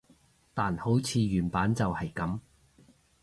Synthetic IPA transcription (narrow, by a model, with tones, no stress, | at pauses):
t̪aː˨nho˨˥wt͡sʰiː˨˧ɥyː˨˩npaː˨˥nt͡sɐ˨whɐ˨jkɐ˨˥m